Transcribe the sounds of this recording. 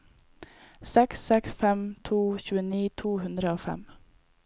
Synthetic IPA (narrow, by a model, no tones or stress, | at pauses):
sɛksɛksfɛmt̪ʰuːçʉːəniːt̪ʰuːhʉnd̪ɾəoːfɛ̰m